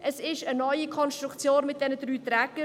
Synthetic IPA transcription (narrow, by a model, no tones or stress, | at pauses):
ʔəsɪʃənɔʏikʰɔnst̪ɾukt͡sjoːnmɪt̚d̥ɛnədɾyːt̪ɾɛkə